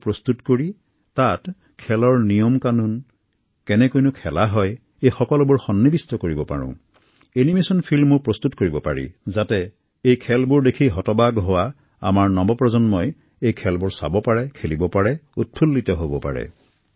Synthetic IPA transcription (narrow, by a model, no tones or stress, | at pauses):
pɹɔstutkoɹi | tat | kʰɛlɔɹnijɔmkanun | kɛnɛkojnʊkʰɛlaɦɔj | ejxɔkɔlɔbʊɹxɔnːibistɔkoɹibɔpa̰ɹɔ̰̃ | enimesɔnpʰilmːʊɹpɹɔstutkoɹibɔpa̰ɹḭzatɛ | ejkʰɛlbʊɹdekʰiɦɔtɔbaɡɦɔwa | a̰maɹnɔmbɔpɹɔzɔnmɔj | ejkʰɛlbʊɹsa̰bɔpaɹɛkʰelibɔpaɹɛut̚pʰulːitɔɦobɔpa̰ɹɛ̰